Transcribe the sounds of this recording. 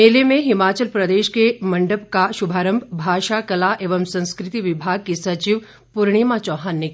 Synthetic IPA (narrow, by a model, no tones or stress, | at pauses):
eːlemẽɦɪmaːt͡ʃəlpɾɐd̪eːʃkemɐ̃ɳɖəb̚kaʃʊbʱaːɾə̃mbʱbʱaːʃakɐlaʔeːʋəmsɐ̃nskɾɪt̪iʋɪbʱaːɡ̚kisɐt͡ʃiʋ | pʊɾɽ̃imãt͡ʃɔːɦaːnːek